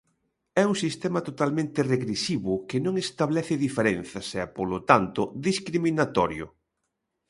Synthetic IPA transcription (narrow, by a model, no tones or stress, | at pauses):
ɛuŋsist̪ɛmɐt̪ot̪almẽnt̪ɪreɣɾesiβʊkɪnõŋest̪aβlɛθɪðifeɾen̟θɐsɛpolot̪ant̪ʊðiskɾiminat̪ɔɾjʊ̰